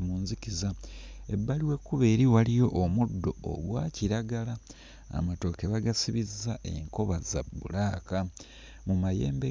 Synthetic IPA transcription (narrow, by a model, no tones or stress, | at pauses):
muːnzikizae̞bːaliwe̞kːuβe̞ːɾiwalijo̞ʔːmudːo̞o̰ɡwaːciɾaɡala̰ː | mato̞ːkeβaɡasiβizːaʔe̞̰ŋko̞βaza̰bːṵlaːka | mumaje̞ːmbe